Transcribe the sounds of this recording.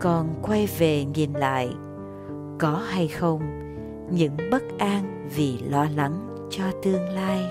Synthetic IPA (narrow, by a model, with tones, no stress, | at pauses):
kɔ˨˩nkwa˧jve˨˩ŋi˨˩nla̰ː˧˨j | kɔ˨˦ha˧jxə˧wŋ͡m | ɲɨ̰˧˥ŋɓə˦˥t̚ʔaː˧n | vi˨˩lɔ˧la˨˦ŋ | t͡ɕɔ˧t̪ɨ˧əŋlaː˧j